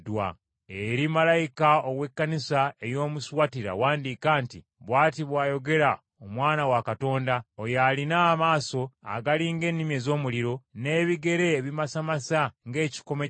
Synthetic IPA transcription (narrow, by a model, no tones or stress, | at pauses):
dwa̰ | eɾimalajikaoɣwe̞kːanisaejo̞ːmuswatiɾa̰waːndikaːnti | βwaːtiβwaːjo̞ɡe̞ɾa | omwaːnawakato̞ːndaojalinamaːso̞a̰ɡaliŋɡe̞ːnːimje̞zo̞ːmuliɾo̞ne̞ːβiɡe̞ɾe̞ːβimasamasaŋɡe̞ːci̥ko̞me